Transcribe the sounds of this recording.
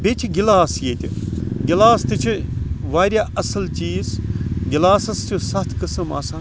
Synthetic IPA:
bet͡ʃʰiɡilaːsjeːt̪ʲiɡilaːst̪ɨt͡ʃʰiʋaːɾʲjaːʔɐsɐlt͡ʃiːzɡilaːsɐst͡ʃʰusɐt̪ʰkɨsɐma̰ːsaː

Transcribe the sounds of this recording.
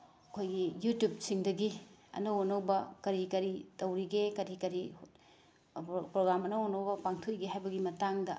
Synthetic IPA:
ɐkʰojɡijutjup̚siŋdɐɡi | ɐ̰nɐonɐwbɐkɐɾikɐɾitɐwɾiɡekɐɾikɐɾi | pɾoɡɾamɐnɐonɐwbɐpaŋtʰujɡeɦajbɐɡimɐtaŋdɐ

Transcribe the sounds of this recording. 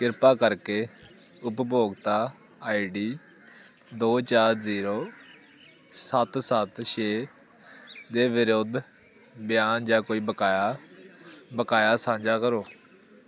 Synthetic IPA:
kɪɾpaːkəɾkeː | ʊpboːɡt̪aː | aːiɖiː | d̪oːt͡ʃaːɾziːɾoː | sət̪sət̪ʃeː | d̪eːʋɪɾod̪ʱ | bɪjaːnd͡ʒaːkoːiːbəkaːja | bəkaːjaːsãːɲd͡ʒaːkəɾoː

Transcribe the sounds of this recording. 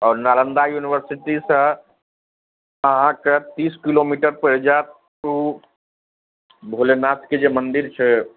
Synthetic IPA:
ɔːɾnalənd̪ajuniwəɾsiʈisə̃ | əɦãket̪iːskilomiʈəɾpəɦid͡ʒat̪̚ | u | bʱolenasked͡ʒemənd̪iɾt͡ʃʰɛ

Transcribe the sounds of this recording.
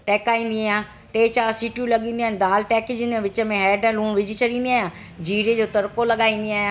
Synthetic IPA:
ʈɛːkaːĩːnd̪iaːjãː | ʈeːt͡ɕaːɾsiːʈjũlɐɠĩːnd̪iaːnd̪aːlʈɛːkd͡ʑĩːnd̪jãʋɪt͡ɕə̆mẽɦɛːɖɛ̃ːlũːɳʋɪd͡ʑʱɪt͡ɕʰɐɗĩːn̆d̪iaːɦjãː | d͡ʑiːɾed͡ʑoːt̪ɐɾkolɐɠaːĩːnd̪iaːɦjãː

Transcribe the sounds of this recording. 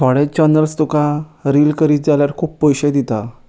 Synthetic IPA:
t̪ʰaɽet͡ɕənəlst̪ukaɾilkəɾiːt̪̚d͡zaljaɾkʰuːpːəjɕəd̪it̪a

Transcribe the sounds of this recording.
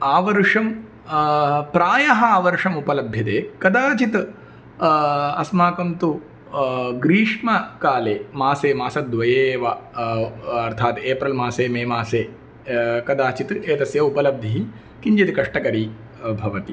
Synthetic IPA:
aːʋɐɾʂɐm | pɾaːjɐɦɐaːʋɐɾʂɐmupɐlɐbʱjɐt̪eːkɐd̪aːt͡ʃit̪ | ɐsmaːkɐmt̪u | ɡɾiːʂmɐkaːleːmaːseːmaːsɐd̪ʋɐjeːʋɐ | ɐɾt̪ʰaːt̪eːpɾɐlmaːseːmeːmaːseː | kɐd̪aːt͡ʃit̪eːt̪ɐsjɐupɐlɐb̚d̪ʱiɦi | kiɲt͡ʃɐt̪ikɐʂʈɐkɐɾiː | bʱɐʋɐt̪i

